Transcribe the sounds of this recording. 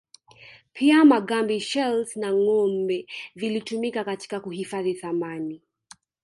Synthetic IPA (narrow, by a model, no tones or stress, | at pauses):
pʰiamaɠambiʃɛlsnaŋɔmbɛvilitumikakati̥kakuhifaðiθamani